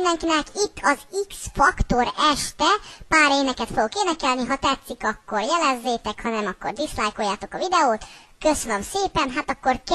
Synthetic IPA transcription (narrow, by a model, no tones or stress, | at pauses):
ind̪ɛŋkinɛkit̪ːɒziksfɒkt̪o̞ɾɛʃt̪ɛpaːɾeːnɛkɛt̪foɡokeːnɛkɛlniɦɒt̪ɛt̪sːikɒkːorjɛlɛzːeːt̪ɛkhɒnɛmɒkːo̰rd̪islajkojːaːt̪o̞kɒvid̪ɛoːt̪ | køsønømseːpɛnɦaːt̪ɒkːo̞rk